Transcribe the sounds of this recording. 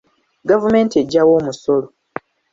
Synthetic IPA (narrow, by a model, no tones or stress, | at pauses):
ɡavume̞ːntie̞ɟːawo̞ːmuso̞lo